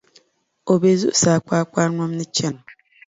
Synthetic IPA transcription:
o˨be˨zṵ˦ʔsa˨k͡pa˦kʷa˦nʷ˦ɔ˦m˦nɪ˦t͡ʃɛ˦˨n˨

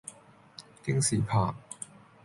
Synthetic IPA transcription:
kɪ˥ŋsiː˨˩pʰa̰ː˨˩

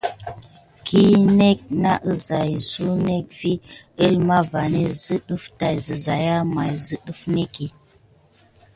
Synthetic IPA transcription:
kʰi˦ne˦k̚na˦ʔɨ˦˨za˨jzu˦ne˦k̚vi˦ | ə˦lma˦va˨ne˦zɨ˦ɗɨ˦fta˨jzɨ˨za˨ja˦ma˨jzɨ˦ɗɨ˦fne˦ki˨

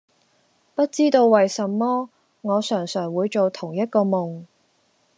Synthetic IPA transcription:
pɐ˥t̚t͡siː˥t̪o˧wwɐ˨jsɐ˨mːɔː˥ | ŋɔː˨˧sœː˨˩ŋsœː˨˩ŋwuː˨˧jt͡so˨wt̪ʰʊ˨˩ŋjɐ˥t̚kɔː˧mʊ˨ŋ

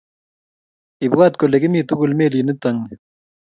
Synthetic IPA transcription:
i˨bɣaː˦t̪ko˨le˨kɪ˦miː˨t̪u˦ɡu˨lme˦li˨nɨ˦t̪a˨ŋ

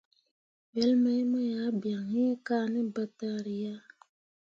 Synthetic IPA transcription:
wɛ˨˦lmə˨˦jmə˦ja˨˦bja˨ŋe˦ka˦˨ne˦bə˦t̪a˦˨ɾi˦ja˦

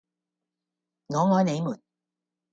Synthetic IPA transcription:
ŋɔː˨˧ŋɔː˨˧jne˨˧jmuː˨˩n

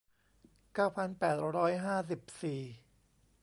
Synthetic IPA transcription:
kaː˥˩wpʰa˧npɛː˨˩t̪̚ɾɔː˦˥jɦaː˥˩si˨˩p̚siː˨˩

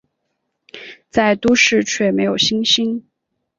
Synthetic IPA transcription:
t͡sa˥˩ɪt̪u˥ʂɻ̩˥˧t͡ɕʰɥɛ˥˩me˧˥ɪjo˨˩ʊɕi˥ŋɕi˥ŋ

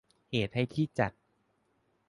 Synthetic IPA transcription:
heː˨˩t̪̚ha˥˩jt̪ʰiː˥˩t͡ɕa˨˩t̪̚

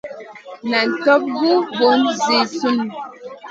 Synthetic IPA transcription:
na˨n̩˨tɔ˦p̚bu˦bo˨˦mze˨su˦m

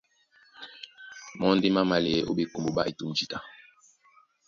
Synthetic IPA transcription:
mɔ˦nde˦ma˦ma˦le˨˦ʔo̰˦be˨ko˨mbo˨ba˦ʔi˨tu˦md͡ʒi˦ta˦

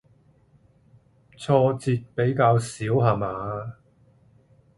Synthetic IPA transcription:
t͡sʰɔː˧t͡siː˧t̚pe˨˥jkaː˧wsiː˨˥whaː˨˧maː˨˧

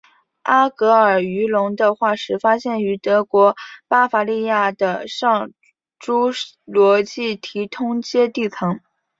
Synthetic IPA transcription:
a˥kɤ˧˥ə˞˨˩y˧˥lʊ˧˥ŋd̪ə˧xwa˥˩ʂɻ̩˧˥fa˥ɕjɛ˥˩ny˧˥t̪ɤ˧˥kwɔ˧˥pa˥fa˧˥li˥˧ja˥˩d̪ə˩ʂɑ˥˩ŋ | ʈ͡ʂu˥ | lwɔ˧˥t͡ɕi˥˩t̪ʰi˧˥t̪ʰʊ˥ŋt͡ɕjɛ˥t̪i˥˩t͡sʰɤ˧˥ŋ

